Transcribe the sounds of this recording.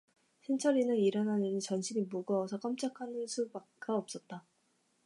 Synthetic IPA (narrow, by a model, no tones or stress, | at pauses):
ɕʰint͡ɕʰʌɾinɯniɾʌnanɯnit͡ɕʌnɕʰinimuɡʌːsʰʌk͈ʌmt͡ɕ͈ʰakʰanɯnsʰubakɡ͈aʌp̚s͈ʌt̚t͈a